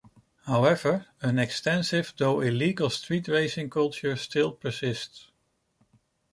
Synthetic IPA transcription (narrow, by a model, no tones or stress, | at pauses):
haʊɛvə˞ə̃nɛkstɛ̃nsɪvdoʊɪliɡəl̩ˠstʰɹitɹeɪsɪ̃ŋkʰʌlˠt͡ʃəɹstʰɪlˠpʰə˞sɪsts